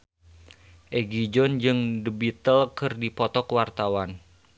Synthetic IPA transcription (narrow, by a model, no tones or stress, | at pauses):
ʔɛɡid͡ʒɔnd͡ʒɨŋdəbit̪əlkɨrdipɔt̪ɔkwart̪awan